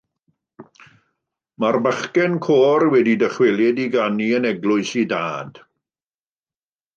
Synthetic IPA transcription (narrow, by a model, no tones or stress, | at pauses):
marbəχkɛnkʰoːrwɛdidəχwɛlˠjɛdiɡaniənɛɡlʊɨsida̰ːd̥